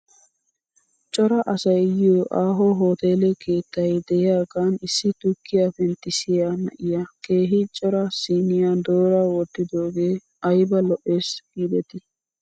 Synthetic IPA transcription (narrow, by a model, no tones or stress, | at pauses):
t͡ʃʼɔɾɐʔɐsɐjjɪjoːʔaːɦoɦoːt̪e̞ːlɛke̞ːt̪ːɐjd̪ɛjɪjaːɡaːnɪsːɪt̪ʊkːɪjafɛnt̪ːɪsɪjaːnɐ̰ʔɪjake̞ːɦɪt͡ʃʼɔɾɐsiːnɪjad̪o̞ːɾawɔd̪ːɪd̪o̞ːɡeː | ɐjbɐlɔʔe̞ːsɡiːd̪ɛt̪ɪ